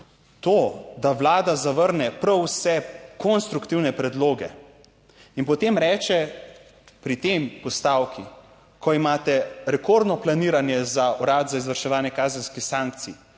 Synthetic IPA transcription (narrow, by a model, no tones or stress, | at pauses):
t̪od̪awlaːd̪azaʋəɾnɛpɾəwsɛkonst̪ɾukt̪iwnɛpɾɛd̪loːɡɛ | inpɔt̪eːmɾɛːt͡ʃɛ | pɾit̪empɔst̪aːwki | kʰɔimaːt̪ɛɾɛkoɾd̪nɔplaniːɾanjɛzaɔɾaːd̪zaizʋəɾʃɛʋaːnjɛkaːzɛnskixsaŋk̚t̪si